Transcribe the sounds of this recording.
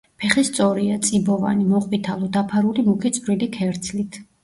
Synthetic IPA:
pʰɛχist̪sʼɔɾiat̪sʼibɔva̰nimɔqʼvit̪ʰalˠɔd̪apʰaɾulimukʰit̪sʼɾilikʰɛɾt̪sʰlit̪ʰ

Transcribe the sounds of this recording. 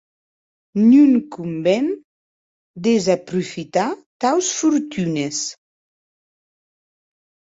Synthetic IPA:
nuŋkumbɛn | d̪ezapɾufit̪at̪awsfuɾt̪ynes

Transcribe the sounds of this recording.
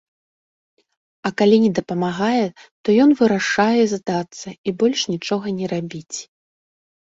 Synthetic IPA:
ɐkalʲinʲɛd̪ɐpɐmaɣajɛt̪ɔjɔnvɨɾaʂajɛzd̪at̪sːɐibɔlʲʂnʲit͡ʂɔɣɐnʲɛɾabʲit͡sʲ

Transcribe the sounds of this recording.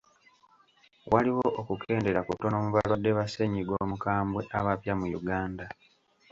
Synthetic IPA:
waliwoʔokukʰe̞ːnde̞ɾakuto̞nomuβalwadːe̞βase̞ɲiɡwo̞ːmukaːmbwe̞ʔaβapjamujuɡaːnda

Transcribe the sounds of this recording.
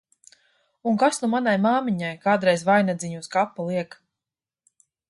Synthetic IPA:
unkasnumanajmaːmiɲajkaːd̪ɾɛjzvajnad̪zʲiɲuːskapːalˠiɛk

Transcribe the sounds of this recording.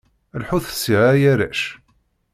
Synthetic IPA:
əlħuθə̥siʁæjæɾæ̰ʃ

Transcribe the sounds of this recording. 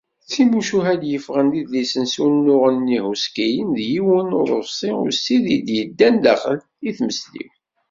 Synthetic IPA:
θimuʃuɦæd̪jəfʁənd̪iðlisənsunːʊʁənːihuskijənðjiwənʊɾˤəfsˤiʊ̰siðid̪jəd̪ːænd̪æχəl | iθməslḭw

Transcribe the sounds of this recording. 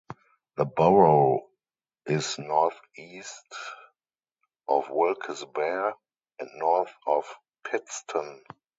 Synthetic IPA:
ðəbɔɹo | ʔɪsnɔɹθiːst | ʔɔfwɪlkʰəsbɛ | ʔɛ̃ntnɔɹθɔf | pʰɪtstʰə̃n

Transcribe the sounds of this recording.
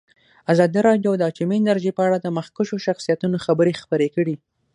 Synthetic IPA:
azɑd̪iɾɑɖjowd̪əɑt͡ʃumiɪnaɾʒipəaɽad̪əməxkʊʃoʃaxsijat̪unoxabəɾexpəɾekəɽi

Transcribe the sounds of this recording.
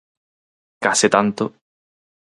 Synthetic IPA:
kaset̪ant̪o

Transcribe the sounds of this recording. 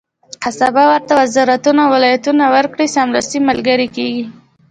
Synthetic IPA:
qasabawəɾt̪awazɑɾat̪unawɪlɑjat̪unawəɾkɽisamlast̪imalɡaɾikeɡi

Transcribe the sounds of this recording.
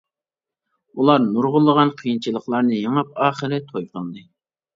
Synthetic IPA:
ulˠɑɾnuɾʁʊlˠːəʁɑnqʰijint͡ʃʰɨlˠəχlˠɑɾnɨjəŋɑp̚ɑːχəɾɨt̪ʰojqəld̪ɨ

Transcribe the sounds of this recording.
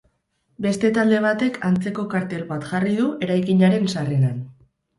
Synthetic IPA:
be̞st̪e̞t̪ald̪e̞β̞at̪e̞kʰant͡se̞ko̞kaɾt̪e̞lβat̪ʝarið̞ue̞ɾajkiɲaɾe̞nsarenan

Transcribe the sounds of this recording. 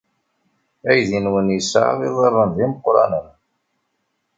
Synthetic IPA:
æjðinwənjəsa̰ðˤiðˤərˤːənðiməqɾˤɑ̰nən

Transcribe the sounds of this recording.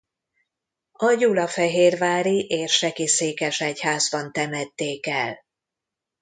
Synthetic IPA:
ɒjulɒfɛɦeːrvaːɾiʔeːʃʃɛkiseːkɛʃɛchaːzbɒnt̪ɛmɛt̪ːeːkɛl

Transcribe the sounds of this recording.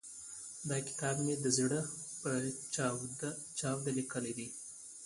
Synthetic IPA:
d̪ɑkɪ̥t̪ɑbmed̪əzɽəpə | t͡ʃɑwd̪alikəled̪i

